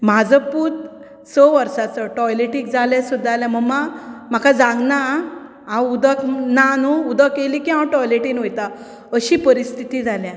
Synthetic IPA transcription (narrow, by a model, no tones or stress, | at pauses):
mad͡zəpuːt̪ | t͡sɔʋəɾsat͡səʈɔjleʈikd͡zʱaljãsud̪ːaljãm̤əɡmam̤akʰad͡zãŋɡna | ãwud̪əknanoud̪əkːelikĩɦãwʈɔjleʈinɦojt̪a | əɕipəɾist̪ʰit̪id͡zʱaljã